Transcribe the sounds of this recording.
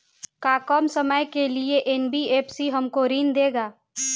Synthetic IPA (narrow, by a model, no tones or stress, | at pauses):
kaːkɔːmsəməjkelieʔenbieːpsiɦɐmkoɾiːnd̪eːɡaː